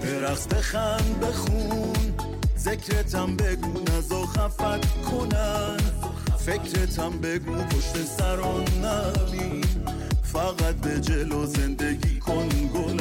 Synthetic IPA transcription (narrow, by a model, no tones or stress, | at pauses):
beɾaχt̪eχænbeχun | zekʰɾet̪ʰambeɡunæzoχæfæt̪kʰonæn | fekʰɾet̪ʰambeɡuboʃt̪ensæɾɔnːamin | faɣat̪̚bed͡ʒelɔzend̪eɡikʰonɡon